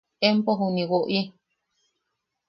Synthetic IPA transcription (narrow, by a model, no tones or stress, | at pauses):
empoɦũnĩwoʔi